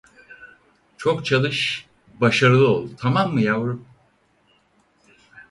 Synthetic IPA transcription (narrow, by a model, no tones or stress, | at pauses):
t͡ʃʰo̞kt͡ʃʰalˠɯʃ | baʃaɾɯlˠɯo̞lˠt̪ʰamamːɯjavɯɾɯp